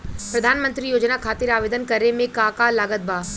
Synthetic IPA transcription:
pɾɐd̪ʱaːnmə̃nt̪ɾijoːd͡ʒnakʰaːt̪ɪɾaːʋeːd̪ənkɐɾemẽkaːkalaːɡət̪̚bʱaː

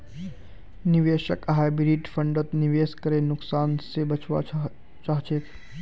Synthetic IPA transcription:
niʋeːʃəkɦaːjbɾiːʈpʰə̃ɳɖət̪niʋeːskəɾenʊksaːnsebət͡ʃʋa̰ | t͡ʃaːɦt͡ʃʰet̪ʰ

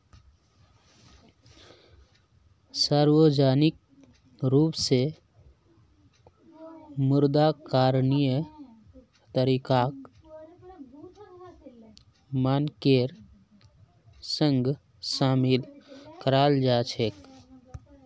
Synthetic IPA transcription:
saːɾwod͡ʒaːnɪk̚ | ɾuːpse | mʊɾd̪akaːɾnijə | t̪əɾiːkaːk | maːnkeːɾ | sə̃ŋɡ | saːmilkəɾaːld͡ʒaːt͡ʃʰeːk

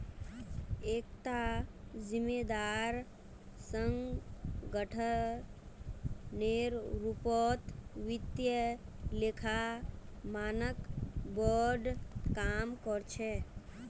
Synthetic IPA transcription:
ekt̪ad͡ʒimed̪aɾ | səŋɡɡəʈʰə | neɾɾupɔt̪ʋit̪jəlekʰa | manəkbɔɖkamkɔɾt͡ʃʰɛ

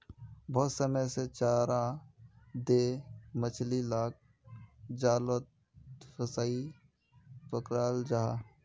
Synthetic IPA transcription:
bʱɔːt̪səməjset͡ʃaːɾã | d̪emət͡ʃʰlilaːk̚ | d͡ʒaːlot̪ | pʰəsaːi | pəkɾaːld͡ʒaɦaː

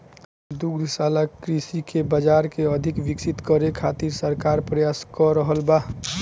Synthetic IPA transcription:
d̪uɡd̪saːlakɾisikebəd͡ʒaːɾkeəd̪ʱɪkʋɪksit̪kəɾekʰat̪iɾsəɾkaːɾpɾəjaskɔɾəɦəlba

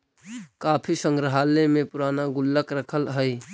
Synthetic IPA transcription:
kaːpʰisə̃ŋɡɾəɦaːlemẽpʊɾaːnaɡʊlːəkɾəkʰəlɦɛj

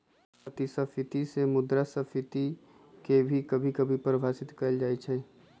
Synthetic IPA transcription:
ət̪isɐfʰɪt̪isemʊd̪ɾasɐfʰɪt̪i | kebʱikɐbʱikɐbʱipɾbʱaːsɪt̪kɐld͡ʒaːit͡ʃʰɛː

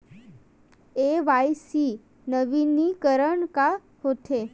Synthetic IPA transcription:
eʋajsi | nəʋinikəɾəɳka | hot̪ʰe

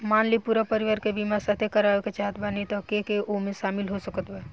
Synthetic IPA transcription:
maːnlipuɾapəɾiʋaɾkebimasat̪ʰekəɾaeket͡ʃaɦət̪banit̪ɔkekeʔomeʃaːmilɦosəkət̪bɛ

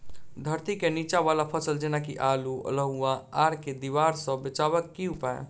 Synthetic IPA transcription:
d̪ʱəɾt̪ikenit͡ʃaβalapʰəsəld͡ʒenakiʔaluə̰ləɦuaaɾked̪iβaɾsə̃bet͡ʃaβəkːiɦupaḛ

